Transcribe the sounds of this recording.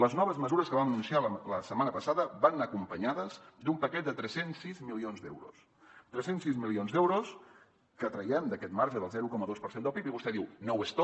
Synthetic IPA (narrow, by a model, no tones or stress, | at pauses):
ləznɔβ̞əzməzuɾəskəβaənunsialəsəmanəpəsaðəβanəkumpəɲaðəzd̪umpəkɛt̪̚d̪ət̪ɾɛsensːizmilionzd̪ḛwɾṵs | t̪ɾɛsensizmilionzd̪ɛwɾos | kət̪ɾəiɛmd̪əkɛt̪maɾʒəðəlˠzɛɾukɔməðospəɾsend̪əlˠpipiβust̪ɛðiwnowest̪o